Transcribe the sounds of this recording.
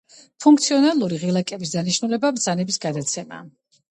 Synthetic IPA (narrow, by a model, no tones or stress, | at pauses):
pʰuŋk̚ʰt̪sʰiɔnalˠuɾiʁilˠakʼɛbisd̪aniʃnulɛbabd̪zanɛbisɡad̪at̪sʰɛma̰ː